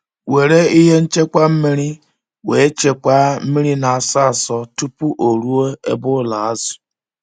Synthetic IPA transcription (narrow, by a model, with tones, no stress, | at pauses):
we˨ɾe˦i˦ɦe˦n̩˦t͡ʃe˦kʷa˦m̩˦mi˦ɾi˦ | we˨˦t͡ʃe˨kʷa˦m̩˦mi˦ɾi˦na˨a˨sa˦a˨sɔ˦tu˦pu˦ʔo˨ɾu˦o˦e˦bʊ˦la˨a˦zʊ˨